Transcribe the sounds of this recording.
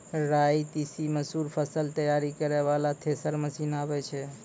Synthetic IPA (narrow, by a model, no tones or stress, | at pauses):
ɾait̪isiməsuɾpʰəsəlt̪əjaɾikəɾɛβalat̪ʰesəɾməsinabɛt͡ʃʰɛ